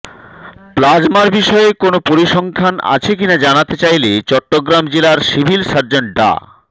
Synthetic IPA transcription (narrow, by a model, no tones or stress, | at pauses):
plad͡ʑmaɾbiʃɔekonopoɾiʃɔŋkʰana̰t͡ɕʰekinad͡ʑanat̪et͡ɕajlet͡ɕɔʈːoɡɾamd͡ʑelaɾsibʱilʃaɾd͡ʑoɳʈ̚ɖa̰